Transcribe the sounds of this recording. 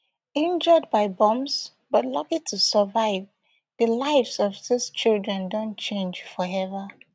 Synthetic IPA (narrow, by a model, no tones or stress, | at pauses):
ɪ̃nd͡ʒəd̚baɪbɔ̃ms | b̥ʌtlʌkitʰusəvaɪv | ðəlaɪfsɔv̥sist͡ʃilˠdɹɛ̃ndõnt͡ʃʰẽnd͡ʒfɔɛvə